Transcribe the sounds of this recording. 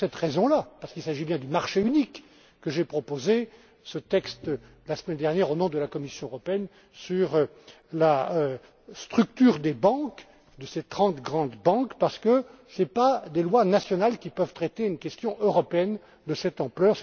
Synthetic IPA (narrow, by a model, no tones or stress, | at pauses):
sɛt̪ʁezɔ̃lapaʁsə̥kilsaʒibjɛ̃d̪ymaʁʃeynikː | əʒepχɔpoze | sət̪ɛkst̪ | lasmɛnd̪ɛʁnjɛʁonɔ̃d̪əlakɔmisjɔ̃øʁɔpeɛn | syʁ | laø | st̪χyk̚t̪yʁd̪ebɑ̃k | d̪əset̪χɑ̃t̪ɡʁɑ̃d̪bɑ̃kpaʁsə̥kəsɛpad̪elwanasjɔnalkʲipœvt̪χet̪eynkʲɛst̪jɔ̃ʔøʁɔpeɛn | d̪əsɛt̪ɑ̃plœːʁsɛ